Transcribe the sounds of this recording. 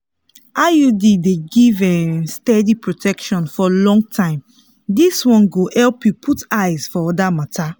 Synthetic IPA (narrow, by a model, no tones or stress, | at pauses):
ajudideɡivɛ̃stɛdipɹotʰɛkʃɔ̃nfɔlɔ̃ŋɡ̚tʰãɪ̃m | diswɔ̃nɡohɛlpjupʰutaɪzfɔɔdamatʰa